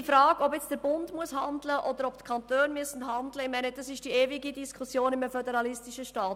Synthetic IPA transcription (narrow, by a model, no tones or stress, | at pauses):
ifɾɑːɡɔbjɛt͡sd̥əɾb̥ʊndmuəshɑndləʔɔd̪əɾɔptkʰɑnt̪øːnmyəsn̩ɦɑndləɪmæɪnəd̥ɑsɪʃd̥ieːviɡidiskʰusjoːnɪməfœdɛɾɑlɪstiʃəʃtɑːt